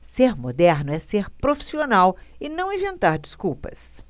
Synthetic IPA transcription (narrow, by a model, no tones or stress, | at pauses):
seɾmod̪ɛɾnʊɛseɾpɾofi̥sionawɪnɐ̃w̃ẽvẽnt̪aɾd͡ʒiskuwpɐ̰s